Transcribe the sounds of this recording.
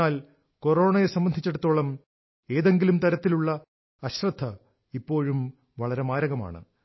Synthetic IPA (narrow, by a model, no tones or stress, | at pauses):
aːl | ko̞ɾo̞ːɳɐjesɐmbɐnd̪ʱit͡ɕːe̞ɽut̪ːoːɭɐm | e̞ːðe̞ŋɡilumt̪ɐɾɐt̪ːiluɭːɐ | ɐɕrɐd̪ʱːɐ | ipːo̞ːɻum | ʋɐɭɐɾe̞maːɾɐɣɐma̰ːɳɨ̰